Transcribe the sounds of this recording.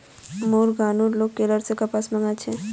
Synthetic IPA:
muːɾɡaːnuːɾloːɡkːeləɾsekapasməŋɡat͡ʃʰɛ̃

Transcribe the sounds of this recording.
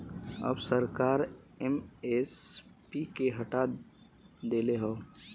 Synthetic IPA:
ə̰bsəɾkaːɾ | ɛmespikeɦɐʈa | d̪eːleɦoː

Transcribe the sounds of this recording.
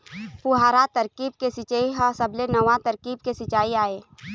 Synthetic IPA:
pʊɦaːɾat̪əɾkiːb̚kesɪt͡ʃːiɦɔːsɐblenɐʋat̪əɾkiːb̚kesɪt͡ʃaːiaːeː

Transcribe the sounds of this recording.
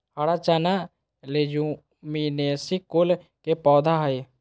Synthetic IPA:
haɽat͡ʃaːna | led͡ʒu | minesikol | kepɔːd̪ʱaɦəj

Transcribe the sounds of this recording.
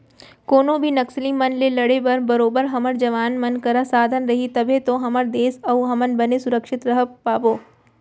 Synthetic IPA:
koːnõbʱinɐkslimɐnlelɐɽebɐɾbɐɾoːbəɾɦɐməɾd͡ʒɐʋaːnmɐnkɐɾasaːd̪ʱənɾɐɦit̪ɐbʱet̪õɦɐməɾd̪eːsɐuɦɐmənbɐnesʊɾəkʃɪt̪ɾɐɦəpaːboː

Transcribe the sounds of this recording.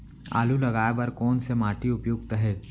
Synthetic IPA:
a̰ːlulɐɡaːjbɐɾkɔːnsemaːʈiʊpjoːɡt̪əɦɛː

